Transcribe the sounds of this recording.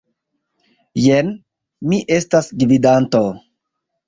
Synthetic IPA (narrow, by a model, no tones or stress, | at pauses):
jen | miʔe̞stasɡvidanto